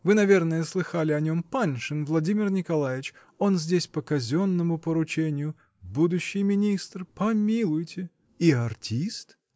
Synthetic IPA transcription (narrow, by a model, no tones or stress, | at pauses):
vɨnɐvʲe̞rnəjəslˠɨxalʲɪɐnʲo̞mpanʲʂɨnvlˠɐdʲimʲɪrnʲɪkɐlˠajɪt͡ɕ | o̞nzʲdʲesʲpəkɐzʲonːəmʊpəɾʊt͡ɕenʲɪjʊ | bud̪ʊɕːɪjmʲɪnʲist̪rpɐmʲilˠʊjtʲɪ | iɐrtʲist̪